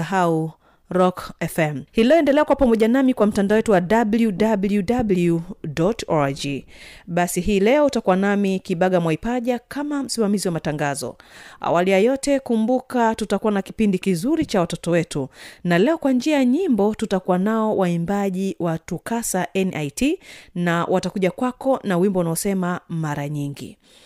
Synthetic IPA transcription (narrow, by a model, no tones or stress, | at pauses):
aɦau | ɾɔkɛfɛmhilɛɔɛndɛlɛakwapamɔʄanamikwam̩tandaɔwɛtuwaɗabljuɗabljudabljudɔtɔd͡ʒiɓasiɦiːlɛɔutakuwanamikiɓaɠamwaipaʄakamam̩simamiziwamataŋɡazɔ̰a̰walijajɔtɛkumbukatutakuwanaki̥pindikizuɾit͡ʃawatɔtɔwɛtunalɛɔkwand͡ʒiajaɲimbɔtutakuwanaɔwaimbaʄiwatukasaʔɛnʔajtʰinawʔatakuʄakwakɔnawimbɔunaɔsɛmamaɾaɲiŋɡḭ